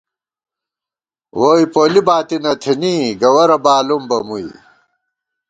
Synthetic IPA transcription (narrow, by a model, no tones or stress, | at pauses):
woːjpoːlibaːt̪inɐt̪ʰiniːɡɐwɐɾɐbaːlumbɐmuḭ